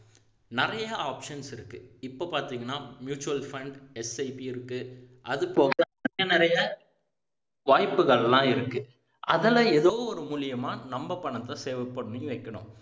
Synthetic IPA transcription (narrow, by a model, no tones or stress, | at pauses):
nɪɾɐjjɐaːpʂɐnsɪɾɯkːɯɪpːoːpaːɾt̪iːŋɡɐnːaːmjuːt͡ʃʊɐlfɐɳɖɛsɐɪpiɪɾɯkːɯ | ʔɐðɯpoːaɐjɐnɪɾɐjɐ | ʋaːjpːɯɣɐɭlãːɪɾɯkːɯ | ʔɐðɐlɐɛðoːɔɾɯmuːlɪjɐmaːnɐmbɐpːɐɳɐt̪ːɐ̃seːʋɐpːɐɳːiʋɐɪkːɐɳʊ̰̃